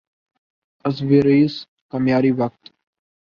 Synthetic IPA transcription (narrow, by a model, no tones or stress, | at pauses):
ɐs̬ʋiɾiːs | kamjaːɾiːʋɐk̚t̪